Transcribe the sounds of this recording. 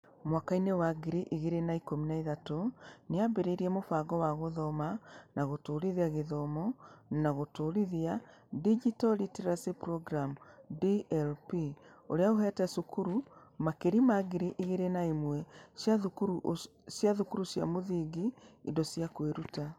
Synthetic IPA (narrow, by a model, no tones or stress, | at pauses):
mwakainewaɡeɾeʔiɣeɾenaikominaiðatoneabeɾeɾiɛmofaɡɔwaɣoðɔmanaɣotoːɾiðiaɣeðɔmɔnaɣotoɾiðia | did͡ʒitɔlitiɾasipɾɔɡɾamudiɛlpio̰ɾeaoɦɛtɛsukuɾumakeɾimaɣeɾeʔiɣeɾenaemwɛaukuɾu | ʃjaðukuɾuʃja̰moðiɡiindɔsiakweɾuta